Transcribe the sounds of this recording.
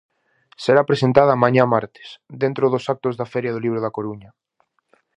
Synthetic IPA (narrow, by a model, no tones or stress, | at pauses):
seɾapɾesent̪aðaːmãɲãmaɾt̪e̥sd̪ent̪ɾoðosak̚t̪ozðafɛɾjaðoliβ̞ɾoð̞akoɾuɲɐ